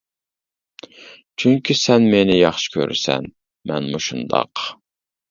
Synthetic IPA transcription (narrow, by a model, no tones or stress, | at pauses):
t͡ʃʰyŋkʲʰisɛnmenɪjɑχʃɪ̥kʲʰø̰ɾ̰sɛ̰n | mɛnmuʃund̪ɑ̰q